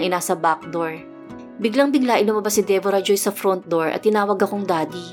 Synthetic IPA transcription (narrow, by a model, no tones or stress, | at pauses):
ʔɪnaːsɐbak̚d̪oɹ | bɪɡlaŋbɪɡlaʔɪlʊmɐbasɪd̪ɛvoɾɐd͡ʒojsɐfɾont̪̚d̪oɹʔɐ̰t̪ːɪnaːwɐɡɐkoŋd̪aːd̪i